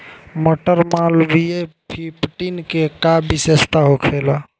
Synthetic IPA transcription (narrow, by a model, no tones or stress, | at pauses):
mɔʈəɾmalbie | pʰipʈinkekabisest̪aɦokʰelɔ